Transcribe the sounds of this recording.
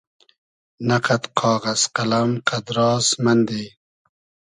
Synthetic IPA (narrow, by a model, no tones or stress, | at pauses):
nɐqɐt̪qʰɑːɣɐsqɐlɐmqɐd̪ɾɑːsmɐnd̪eː